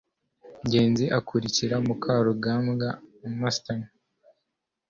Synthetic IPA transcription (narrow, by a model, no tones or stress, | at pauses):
ɲɟe̞ːnziʔakʰuɾiciɾamukʰaɾuɡaːmɡamastan